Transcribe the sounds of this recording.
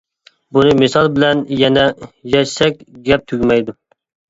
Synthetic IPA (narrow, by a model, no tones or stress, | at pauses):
bunɨmɪsɑlˠbɪlɛnjɛnɛjɛʃsɛk̚ʲɡʲɛp̚t̪ʰyɡʲmɛjd̪u